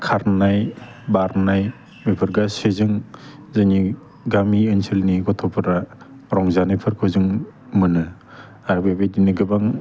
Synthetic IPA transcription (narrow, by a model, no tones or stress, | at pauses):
kʰaɾnajbaɾnaj | mepʰɯɾɡasezɯŋ | zani | ɡamiɯnsʰilniɡɔtʰɔpʰɯɾa | ɾɔŋzanɯjpʰɯɾkʰɯzɯŋ | mɯnɯ | aɾbabediniɡɯbaŋ